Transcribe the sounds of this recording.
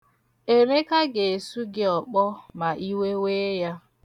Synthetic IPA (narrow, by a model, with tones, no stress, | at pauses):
e˨ɾe˦ka˦ɡe˨su˦ɡɪ˦ɔ˨k͡pɔ˦ma˨ʔi˦we˦we˦ja˦